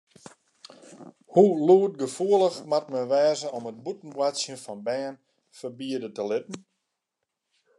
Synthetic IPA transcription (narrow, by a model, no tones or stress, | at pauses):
huluət̚ɡəfuələxmat̚məʋɛːzəɔmət̚butn̩bwasjənfɔnbɛːn | fərbiədətəlɪtn̩